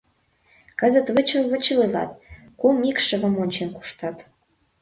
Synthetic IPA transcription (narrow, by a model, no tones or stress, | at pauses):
kə̆zə̆t̪βət͡ɕə̆lβə̆t͡ɕəlelɑ̰t̪̚ | kumikʃə̆βə̆monʲt͡ɕenku̥ʃt̪ɑt̪